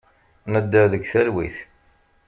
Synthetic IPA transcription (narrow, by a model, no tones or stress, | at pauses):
nəd̪ːəðəɡθælwḭθ